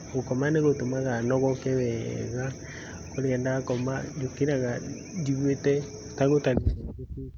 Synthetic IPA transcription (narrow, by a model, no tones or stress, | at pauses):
ɣokɔmaneɣotomaɣanɔɣɔkɛwɛɣa | koɾeɛndakɔmad͡ʒokeɾaɣa | diɣwetɛ | taɣotaɾiakeki